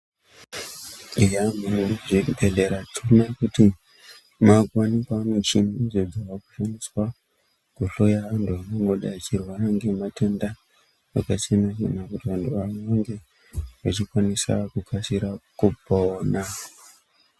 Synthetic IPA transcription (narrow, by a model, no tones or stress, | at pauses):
ijamumuʐibʱeɮeɾatʰunakuti | makwanikamut͡ʃinid͡zod͡zaʋakuʃaniswa | kuɬo̞jaʋantʰuʋanoŋɡo̞ɗaːt͡ʃirwaɾaŋɡe̞matenda | akat͡ʃe̞mat͡ʃḛnakutiʋantʰuanʋaŋɡe̞ | ʋat͡ʃikwanisa̰kukʰasiɾakuboːna